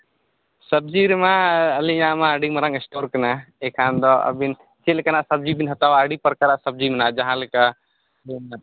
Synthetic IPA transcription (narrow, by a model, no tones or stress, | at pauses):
sɐb̚d͡ʒiːɾimãɐlijãːmãəɖimɐɾãŋəsʈoːɾkɐnaekʰãːnd̪ɔɐ̰bin | t͡ʃelɪkɐnasɐb̚d͡ʒiːbinɦɐt̪aːʋaːɖipɐɾkaɾasɐb̚d͡ʒiːmnad͡ʒɐɦãːlika